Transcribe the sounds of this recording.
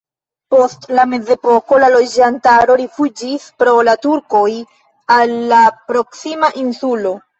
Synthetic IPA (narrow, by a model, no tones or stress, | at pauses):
po̞stlame̞d͡ze̞po̞ko̞lalo̞d͡ʒantaɾo̞ɾifud͡ʒispɾo̞latuɾko̞j | alːapɾo̞ksimaʔinsulo̞